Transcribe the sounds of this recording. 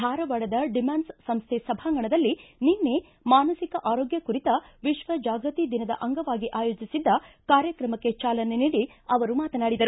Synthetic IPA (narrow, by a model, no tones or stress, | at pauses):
d̪ʱaːɾɐʋɐɭɐd̪ɐɖimaːnssɐmst̪ʰesɐbʱaːŋɡɐɳɐd̪ɐlːininːe̞ | maːnɐsikɐʔaːɾoːɡjɐkuɾit̪ɐʋiʃʋɐd͡ʒaːɡɾɐt̪id̪inɐd̪ɐ̰ʔɐŋɡɐʋaːɡiʔaːjo̞ːd͡ʒisid̪ːɐkaːɾjɐkɾɐmɐkːe̞t͡ʃaːlɐne̞niːɽiɐʋɐɾumaːt̪ɐnaːɽid̪ɐɾu